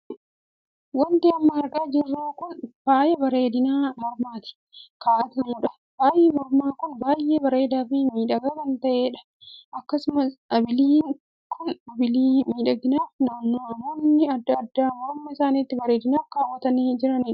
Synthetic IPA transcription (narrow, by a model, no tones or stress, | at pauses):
wɐnt̪ɪɐmːɐɐɾkɐːd͡ʒɪrːaːkʊnbaːjɛbɐɾeːd̪ɪnaːmɔɾmaːt̪ɪ̥ | kaːʔɐt̪ɐnuːᶑɐ̥ | b̥aːjʔeːmɔɾmaːkʊnbaːjʔeːbɐɾe̞ːd̪aːfimiːᶑɐɡɐɾɐnt̪ɐʔeːᶑɐ̥ | ʔɐkːɐsʊmɐsɐbɪliːŋ | kʰːʊnɐbɪliːmiːᶑɐɡɪnaːfnaːnːoːɐmoːnːɪɐd̪ːɐɐd̪ːaːmɔɾmːɐɪsaːniːt̪ːɪbɐɾeːd̪ɪnaːkːaːwːɐt̪ɐniːd͡ʒɪɾɐniːᶑɐ̥